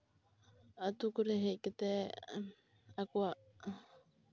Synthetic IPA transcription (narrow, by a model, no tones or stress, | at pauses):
at̪ukuɾeɦeiket̪e | akua